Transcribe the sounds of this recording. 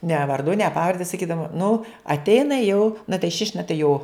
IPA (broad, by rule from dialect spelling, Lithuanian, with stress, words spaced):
nʲɛ ʋɐrˈdʊ nʲɛ ˈpɑːʋɐrʲdʲɛ sɐˈkʲiːdɐʋoːm nʊ ɐtʲˈɛɪnɐ jɛʊ nɐ tɐɪ ʃʲɪʃʲ nɐ tɐɪ joː